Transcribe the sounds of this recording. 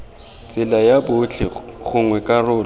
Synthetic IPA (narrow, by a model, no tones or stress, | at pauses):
t͡sʼɪlajabʊt͡ɬʰɪ̰ɣʊŋwɛkʼarʊːl